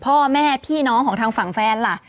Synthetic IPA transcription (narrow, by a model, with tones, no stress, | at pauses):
pʰɔː˥˩mɛː˥˩pʰiː˥˩nɔː˦˥ŋkʰɔː˩˦ŋt̪ʰaː˧ŋfa˨˩˦ŋfɛː˦˥nla˧˩ʔ